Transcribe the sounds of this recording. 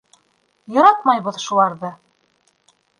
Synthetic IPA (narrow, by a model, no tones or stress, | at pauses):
jɑ̆ɾɑt̪mɑjbɤðʃulˠɑɾðɤ